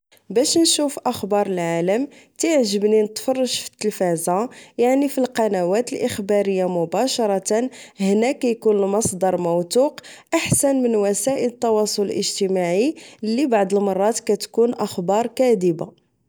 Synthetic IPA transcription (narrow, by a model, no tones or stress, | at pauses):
bæʃnʃufʔəxbɑɾˤəlʕaləmt̪iʕʒəbninət̪fɑrˤːɑʒfə̥t̪ːəlfæzajaʕnifilqɑnæwæt̪əlʔəxbɑɾəjːamʊbɑʃɑɾˤɑt̪nhnækːæjkunəlmɑsˤd̪ˤɑɾˤmowt̪uqʔaħsænmənwæsæʔələt̪ːɑwɑsˤoləlʔəʒt̪əmaʕilːibaʕd̪əlmɑrˤːɑt̪kæt̪kunʔəxbɑɾˤkæd̪əba